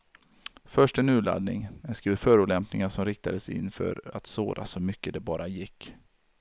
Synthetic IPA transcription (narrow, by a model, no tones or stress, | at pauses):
fœʂʈɛnʉ̟ːɭa̰d̪nɪ̰ŋɛskɾiːvfœːɾʊːlɛmpnɪŋaʂɔmɾɪk̚t̪ad̪əsɪ̰nːfœ̰ɾa̰t̪soːɾa̰sɔmʏkːəd̪ɛbɑːɾʔajɪkː